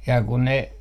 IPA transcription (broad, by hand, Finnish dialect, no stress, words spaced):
jɑ kun ne